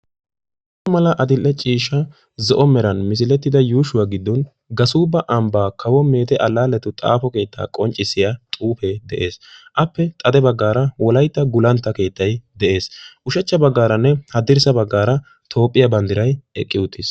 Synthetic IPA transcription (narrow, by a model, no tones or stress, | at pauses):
ɐmɐlɐʔɐd̪ɪlʔːɛt͡ʃʼiːʃːɐ | zɔʔɔmɛɾɐnmɪs̬ɪlɛt̪ːɪd̪ɐjuːʃʊwaːɡɪd̪ːɔn | ɡɐsuːbɐʔɐmbaːkʰɐwɔme̞ːt̪ɛʔɐlːaːlːɛt̪ʊt̪ʼa̰ːfɔke̞ːt̪ʰːa̰ːkʼɔnt͡ʃʼːɪsːɪjat̪ʼuːfɛd̪ɛʔe̞ːsʔɐpːɛt̪ʼɐd̪ɛbɐɡːaːɾɐwɔlɐjt̪ːɐɡʊlɐnt̪ːɐke̞ːt̪ːɐjd̪ɛʔe̞ːsʔʊʃɛt͡ʃːɐbɐɡːaːɾɐnːɛhɐd̪ɪɾsɐbɐɡːaːɾɐ | t̪ʰo̞ːpʼːɪjɐbɐnd̪ɪɾɐjɛkʼːɪʊt̪ːɪs